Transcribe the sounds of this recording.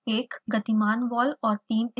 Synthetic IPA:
eːkɡɐt̪imaːnʋɔːlɔːɾʈiːmɪ

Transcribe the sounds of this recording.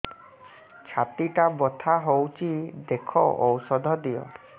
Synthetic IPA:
t͡ʃʰat̪iʈabɔt̪ʰaɦowt͡ʃʰid̪ekʰɔʔɔwsɔd̪ʱɔd̪ijɔ̰

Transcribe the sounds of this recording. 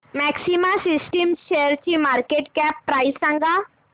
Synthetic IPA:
mɛːksimasisʈimʃeəɾt͡ʃimaːɾkeʈkɛːpːɾaːisːãŋɡa

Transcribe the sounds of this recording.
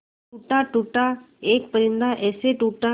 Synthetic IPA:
uːʈaʈuːʈa | eːk̚pəɾɪ̃nd̪aʔɛːseʈuːʈa

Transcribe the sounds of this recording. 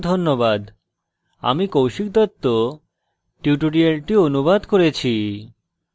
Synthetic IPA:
d̪ʱonːobad̪ | a̰mikowʃik̚d̪ɔt̪ːo | ʈiuʈoɖialʈionubad̪koɾet͡ɕʰi

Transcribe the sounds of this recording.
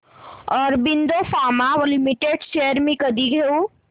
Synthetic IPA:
ɔːɾbind̪ofʰamaʋolimiʈeɖt͡ʃeəɾmẽkəd̪iɡʱeu

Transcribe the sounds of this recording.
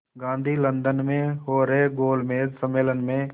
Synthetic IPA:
ɡãːnd̪ʱiːlə̃nd̪ənmẽɦoːɾeɡoːlmeːsəmeːlənmẽ

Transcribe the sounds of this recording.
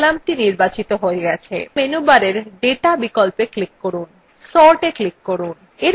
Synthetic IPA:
lamʈiniɾbat͡ɕit̪oɦoeɡɛt͡ɕʰḛmenubaɾeɾɖeʈabikolpeklikːoɾun | sɔɾʈeklikːoɾun | eɾ

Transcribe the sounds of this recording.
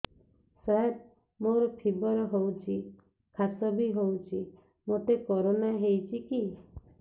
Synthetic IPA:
saɦet̚ | moɾɔpʰibɔɾɔɦowt͡ʃʰi | kʰasɔbʱiɦowt͡ʃʰi | moʈ̪ekɔɾonaɦejt͡ʃʰiki

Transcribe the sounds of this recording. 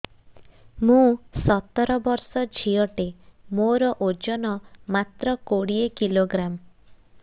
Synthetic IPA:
mũsɔt̪ɔɾɔbɔɾsɔd͡ʒʱiɔʈemoɾɔʔod͡ʒɔnɔmat̪ɾɔkoɽiekiloɡɾam

